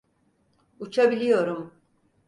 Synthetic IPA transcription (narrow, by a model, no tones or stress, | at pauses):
ut͡ʃʰabilʲijo̞ɾum